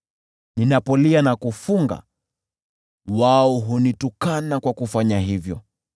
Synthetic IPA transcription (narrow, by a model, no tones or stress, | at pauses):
ninapɔlianakufuŋɡa̰ | waɔɦunitukanakwakufaɲaɦivjɔ